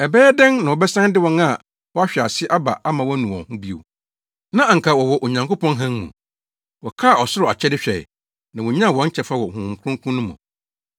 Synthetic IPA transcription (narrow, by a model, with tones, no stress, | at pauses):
ɛ˨bɛː˦ɛ˦dɛ̃˦ŋnã˨wɔ˨bɛ˦sã˦n˦dɪ˦wɔ̃˦na˦˨ | wɔ˦a˦ɕᶣa˨sɪ˦ʔa˦ba̰˨ʔa˦mã˨wɔ˦nũ˨ɔ̰̃˨hũ˦bi˦o̰˨ | nã˦a˨ŋ̩˨kʰa˨wɔ˨wɔ˨ʔo˨ɲã˨ŋko˦pɔ̃˦nɦã˦ŋmṵ̃˨ | wɔ˨kʰa˦˨ɔ˨sʊ˦ɾʊ˨a˨t͡ɕʰɛ˦dɪ˦ɕᶣɛ̰˨ | nã˨wɔ̃˨ɲ˦ã˦˨wɔ̃˨˦ɲ̩˦t͡ɕʰɛ˨fa˦wɔ˨hʊ̃˨kʰʊ̃˦ŋkʰũ˦nʊ̃˦mɔ̰̃˨